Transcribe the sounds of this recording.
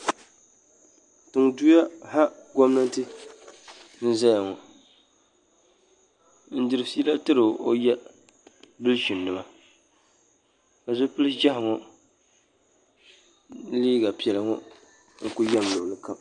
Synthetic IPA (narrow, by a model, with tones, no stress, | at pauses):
tɨ˨ŋ˨du˦ja˦ha˦ɡɔ˦mna˦n˦tɨ˦ | n̩˦za˦ja˨ŋɔ˨ | n̩˦dɨ˨ɾɨ˨si˦la˦tɨ˦ɾɨ˨o̰˦jɛ˦ | bɨ˦lʃu˨nː˨ɨ˨ma˦ | a˨zʊ˦pɨ˦lɨ˦d͡ʒa˦hɪ˨ŋɔ˦ | liː˦ɡa˨pi˨ɛ˨lɨ˨ŋɔ˦ | ŋ̩˨ku˦ja˦˨m˨lo˨lɨ˦ka˦m